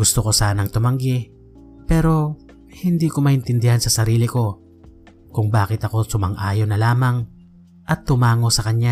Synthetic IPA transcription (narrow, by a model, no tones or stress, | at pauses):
ɡʊst̪oko̞saːnɐŋt̪ʊmɐŋɡɪ | pɛːɾo̞ | hɪnd̪iːkomɐʔɪnt̪ɪnd̪ɪhansɐsɐɾiːlɪko̞ | kʊŋbaːkɪt̪ɐko̞sʊmɐŋʔaːjonɐlaːmɐŋ | ʔɐt̪ːʊmaːŋo̞sɐkɐɲɲa